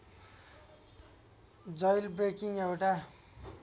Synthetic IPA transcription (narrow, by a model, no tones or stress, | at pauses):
d͡zʌjlbrekiŋewʈa